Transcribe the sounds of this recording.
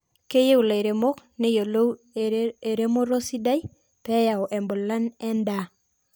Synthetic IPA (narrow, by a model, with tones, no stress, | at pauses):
ke˦je˦wla˨e˨ɾe˨mo˦kne˦jo˨lo˦ | e˨ɾe˦mo˦ɾo˦si˦da˦i˦ | pɛ˦ja˨wʔe˨mbo˨lːa˦nɛ˦nda˨